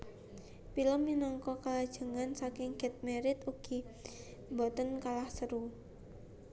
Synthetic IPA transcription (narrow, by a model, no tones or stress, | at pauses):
piləmːinɔŋkɔkalad̥ʒ̥ə̤ŋansakɪŋɡ̥ɛ̤t̪̚meɾɪt̪uɡ̥i̤ | mbɔt̪ənkalahsəɾu